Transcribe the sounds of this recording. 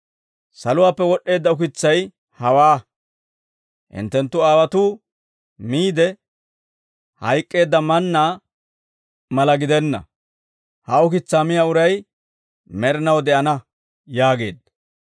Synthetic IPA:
sɐlʊwaːpːɛwɔɗːe̞ːd̪ːɐʊkɪt͡sːɐj | hɐwaː | ʔɪ̰nt̪ːɛnt̪ːʊaːwɐt̪uː | miːd̪ɛ | hɐjkʼːe̞ːd̪ːɐmɐnːaː | mɐlɐɡɪd̪ɛnːɐ̰ | hɐʊkɪt͡sːaːmɪjaːʊɾɐj | mɛɾɪnɐwd̪ɛʔɐnɐ | jaːɡe̞ːd̪ːɐ

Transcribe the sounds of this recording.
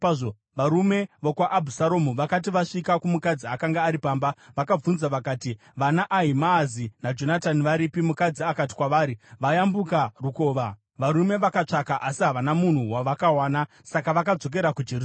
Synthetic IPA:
ʐo | ʋaɾume̞ʋokwaʔːbʱusaɾo̞muʋakat̬iʋaʂikakumukad͡ziakaŋɡaːɾipaːmbaʋakab͡vunzaʋakaːti | ʋanaʔaɦimaːzinad͡ʒo̞nataniʋaɾipimukad͡ziakati̥kwaʋaːɾiʋajambukaruko̞ːʋa | ʋaɾume̞ʋakat͡ʂakaʔasiɦaʋanamun̤uwaʋakawaːna | sakaʋakad͡zo̞k̬e̞ɾakud͡ʒer

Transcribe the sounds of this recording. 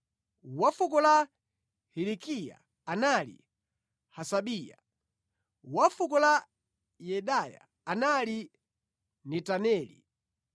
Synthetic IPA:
wafukɔla | hilikija̰ | analḭ | hasaɓiːja̰ | wafukɔla | jɛɗaja̰ | anali | nɛtanɛːlḭ

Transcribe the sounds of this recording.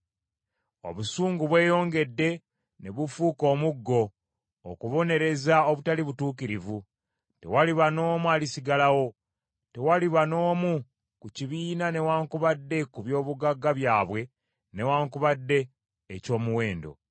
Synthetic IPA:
o̞̰βusuːŋɡuβwe̞ːjo̞ːŋɡe̞dːe̞ | ne̞βufuːko̞ːmuɡːo̞̰ː | kuβo̞ne̞ɾe̞zao̞βutaliβutuːkiɾivu | te̞̰waliβano̞ːmuaːlisiɡalawo̞ | te̞waliβano̞ːmu | kuciβiːnane̞waːŋkuβadːe̞kuβjo̞ːβuɡaɡːaβjaːβwe̞ | ne̞waːŋkuβadːe̞ː | co̞ːmuwe̞ːndo̞̰

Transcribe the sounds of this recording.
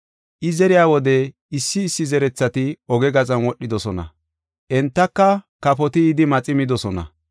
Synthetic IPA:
ʔɪzɛɾɪjaːwɔd̪ɛ | ɪsːɪːsːɪzɛɾɛt͡sːɐt̪ɪɔɡɛɡɐt͡sʼɐnwɔɗːɪd̪ɔsɔnɐ̰ | ʔɛnt̪ːɐkːɐkɐpɔt̪ɪːd̪ɪmɐt͡sʼɪmɪd̪ɔsɔnɐ̰

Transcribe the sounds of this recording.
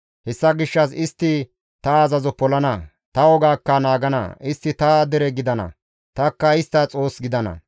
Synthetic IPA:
hɛsːɐɡɪʃːɐsɪst̪ːɪ | t̪ɐːzɐzɔpɔlɐnɐ | t̪ɐwɔɡaːkːɐnaːɡɐnɐ̰ɪst̪ːɪt̪ɐd̪ɛɾɛɡɪd̪ɐnɐ̰ | t̪ɐkːɐɪst̪ːɐt͡sʼo̞ːsɡɪd̪ɐnɐ̰

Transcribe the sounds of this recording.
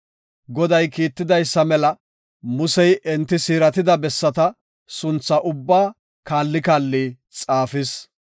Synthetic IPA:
ɡɔd̪ɐjkiːt̪ːɪd̪ɐjsːɐmɛlɐ | mʊsɛjʔɛnt̪ːɪsiːɾɐt̪ɪd̪ɐbɛsːɐt̪ɐ | sʊnt͡sːɐʔʊbːaː | kaːlːɪkaːlːiː | t͡sʼaːfɪs

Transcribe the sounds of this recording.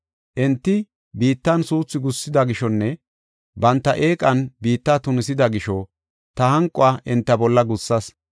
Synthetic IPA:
ʔɪnt̪ːɪ | biːt̪ːɐnsuːt͡sːɪɡʊsːɪd̪ɐɡɪʃɔnːɛ | bɐnt̪ːɐʔeːkʼɐnbiːt̪ːaːt̪ʊnɪsɪd̪ɐɡɪʃɔ | t̪ɐhɐŋkʼʊaːʔɪnt̪ːɐbɔlːɐɡʊsːɐs

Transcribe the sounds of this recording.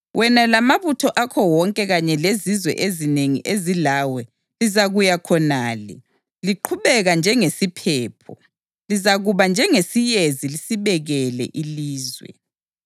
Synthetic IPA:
wʔɛnalamaβutʰɔʔakʰɔwɔŋkʼɛɣaɲɛlezizwɛ̰ʔezineŋḭʔezilawɛ | lizaɣujakʰɔnaːlɛ̰ | liǃʰuβɛɣand͡ʒʱɛŋesipʰɛːpʰɔ | lizaɣuβand͡ʒʱɛŋesijezilisiβɛɣɛlɛ̰ʔiliːzwɛ̰

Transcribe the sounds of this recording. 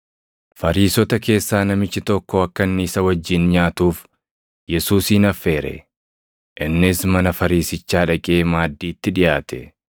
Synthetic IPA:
fɐɾiːsɔt̪ɐke̞ːsːaːnɐmɪt͡ʃːɪt̪ɔkːɔɐkːɐnːɪːsɐwɐd͡ʒːɪnɲaːt̪uːf | jɛsuːsiːnɐfːe̞ːɾɛ̰ | ʔɪnːɪsmɐnɐfɐɾiːsɪt͡ʃːaːᶑɐkʼe̞ːmaːd̪ːiːt̪ːɪᶑɪjaːt̪ɛ

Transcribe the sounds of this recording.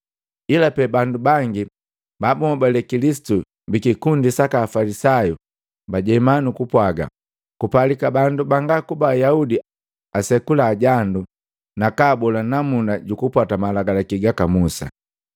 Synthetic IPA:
ilapɛbandubaŋɡi | babumɔbalɛkilisi̥tu | mbikikundisakaːfalisaju | baɟɛmanukupwaɡa̰ | kupalikabandubaŋɡakubaːjaudi | asɛkulaːɟandu | nakaːbɔlanamundaɟukupwatamalaɡalakiɡakamusa̰

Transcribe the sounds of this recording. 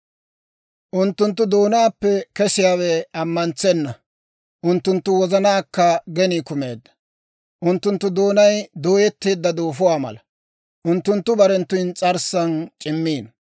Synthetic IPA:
ʔʊnt̪ːʊnt̪ːʊd̪oːnaːpːɛkɛsɪjaːwɛɐmːɐnt͡sɛnːɐ | ʔʊnt̪ːʊnt̪ːʊwɔzɐnaːkːɐɡɛnikʊmeːd̪ːɐ̥ | ʔʊnt̪ːʊnt̪ːʊd̪o̞ːnɐjd̪o̞ːjɛt̪ːeːd̪ːɐd̪o̞ːfʊwaːmɐ̰lɐ | ʔʊnt̪ːʊnt̪ːʊbɐɾɛnt̪ːʊjnt͡sʼɐɾsɐnt͡ʃʼɪmːiːn

